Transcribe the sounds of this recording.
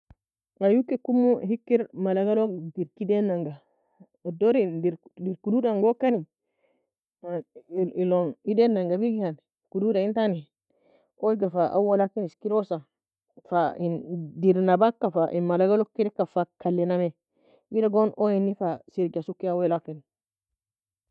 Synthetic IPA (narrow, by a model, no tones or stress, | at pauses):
ajukːikumːuhikːiɾmalaɡalɔdiɾkidɛnːaŋɡa | dɔɾidiɾdiɾkududaŋɡɔkani | ilɔnidɛnːaŋɡabiɡihan | kududaintani | ɔiɡafaʔa̰walakːiniskiɾɔsa | faindiɾnabakːafaʔinmalaɡalokːidɛkːafakalːɛnamɛ | widaɡɔnɔjinːifasiɾd͡ʒasukːiawɛlakani